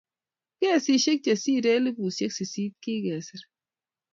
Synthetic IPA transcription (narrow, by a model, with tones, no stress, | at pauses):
ɡ̥ɛː˦˨si˦ʃe˦k̚d͡ʒɛ˨siː˦ɾɛ˦li˦bu˨se˦ksi˨siː˦t̪̚ki˦ɡɛː˨si˨ɾ